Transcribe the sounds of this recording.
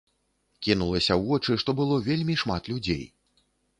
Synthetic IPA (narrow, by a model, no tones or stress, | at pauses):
kʲinulˠɐsʲɐwɔt͡ʂɨʂt̪ɔbɨlˠɔvʲelʲmʲiʂmat̪lʲud͡zʲḛj